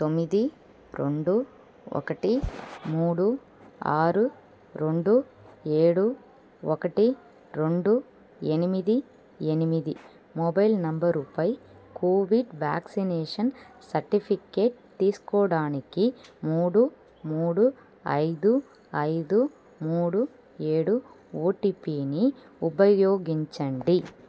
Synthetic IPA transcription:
t̪omːid̪i | ɾo̰ɳɖu | ɔ̰kːɐʈimuːɽu | a̰ːɾu | ɾoɳɖu | eːɽu | ɔkɐʈi | ɾeɳɖu | enimid̪i | enimiði | moːbɐjlnɐmbɐɾupɐjkʰoːʋiɖʋaːksineːʂɐn | sɐɾʈipʰike̞ːʈ̚t̪iːsu̥kɔːɽaːnikimuːɽu | muːɽu | ɐ̰jd̪u | ɐjd̪u | muːɽu | e̞ːɽu | oːʈipiːni | ubɐjjoːɡiɲt͡ʃɐɳɖi

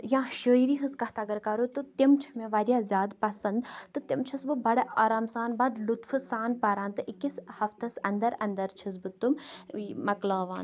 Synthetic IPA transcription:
jãːʃəːiɾiːɦɨskɐht̪aɡɐɾkɐɾut̪ɨt̪imt͡ʃʰɐ̥meʋɐɾʲjaːzʲaːd̪pɐsɐnd̪t̪ɨt̪imt͡ʃʰɐsbɨbɐɽɐaːɾaːmsaːnbɐd̪lut̪fɨsaːnpɐɾãːnt̪ɨʔikishɐft̪ɐsɐnd̪ɐɾɐnd̪ɐɾt͡ʃʰis̬bɨt̪ummɐklaːʋãːn

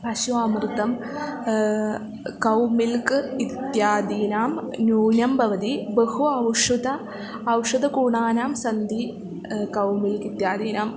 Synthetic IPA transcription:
pɐɕuaːmrɨt̪ːɐm | kɐwmilkɨit̪jaːd̪iːnaːmnuːnɐmbɐʋɐd̪ibehuɐwʂud̪ɐː | wʂɐd̪ɐkuːɳaːnaːmsɐnd̪i | kɐwmilkit̪jaːd̪iːnaːm

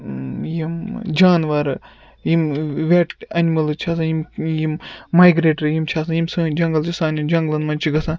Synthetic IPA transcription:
jimd͡ʒaːnʋaːɾɨ | jimʋʲeʈɐnʲmɐlɨt͡ʃʰaːs̬ãjimjimːaːjɡɾeːʈɐɾjimt͡ʃʰaːs̬ãjimsɨd͡ʒɐŋɡɐlt͡ʃʰisaːnʲjimd͡ʒɐŋɡlɐnmɐnt͡ʃʰiɡɐsãː

